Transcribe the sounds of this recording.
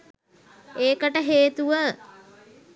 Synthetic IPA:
eːkəʈəɦeːt̪uʋə

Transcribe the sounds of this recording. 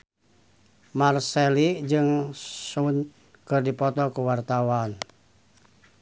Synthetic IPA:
marsɛlid͡ʒɨŋsun | kɨrdipɔt̪ɔkuwart̪awan

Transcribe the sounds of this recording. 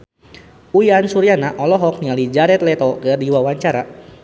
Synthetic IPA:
ujansuɾianaʔɔlɔɦɔk̚nialid͡ʒaɾɛt̪̚lɛt̪ɔkərdiwawaɲt͡ʃaɾa

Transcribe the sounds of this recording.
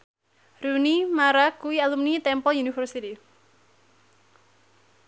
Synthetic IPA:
ɾunimaɾakuwialumnit̪ɛmpɔjunifərsit̪i

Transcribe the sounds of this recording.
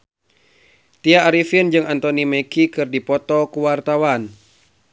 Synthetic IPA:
t̪iaːɾifind͡ʒɨŋant̪ɔnimɛkikɨrdipɔt̪ɔkuwart̪awan

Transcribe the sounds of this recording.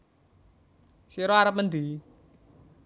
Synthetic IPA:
siɾɔaɾəp̚mənd̪i

